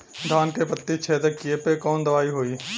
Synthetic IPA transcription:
d̪ʱaːnkepət̪ːit͡ʃʰeːd̪əkːijepekɔːnd̪ɐʋaːiɦoːiː

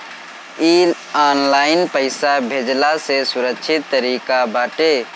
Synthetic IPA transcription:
iːl | aːnlaːɪnpəɪsabʱed͡ʒlasesʊɾəkʃʰɪt̪ːəɾiːkabaːʈeː

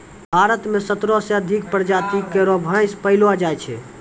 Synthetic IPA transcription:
bʱaɾət̪mesət̪ɾɔsẽəd̪ʱik̚pɾd͡ʒat̪ikeɾobʱãj̃spəilad͡ʒajt͡ʃʰɛ̰

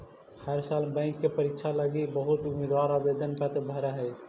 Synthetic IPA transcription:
haɾsalbə̃ɪŋkːepəɾikt͡ʃʰaləɡibəɦut̪umed̪ʋaɾabed̪ənpɛt̪bʱəɾɛɦɛj

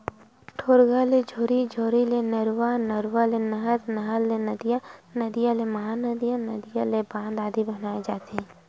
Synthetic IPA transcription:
ʈʰoːɾɡaled͡ʒʱoːɾid͡ʒʱoːɾilenəɾwanəɾwalenəɦəɾnɐɦəlːenəd̪ijanəd̪ijaleməɦanəd̪ijãnəd̪ijalebãːnd̪aːd̪ibənaːed͡ʒaːt̪eɦɛ̃ː

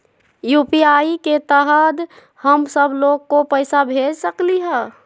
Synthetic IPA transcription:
jupiaiket̪əɦəd̪ | həmsəbloɡkopəɪsabʱed͡ʒsəkliɦɛ

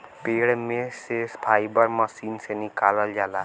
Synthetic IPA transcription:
peːɽmẽsespʰaːibəɾməsiːnsenɪkaːləld͡ʒaːlaː

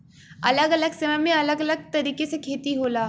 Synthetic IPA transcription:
ɐləɡɐləɡsɐʋəjmẽɐləɡələɡ̚t̪ɐɾiːkesekʰeːt̪iɦoːlaː

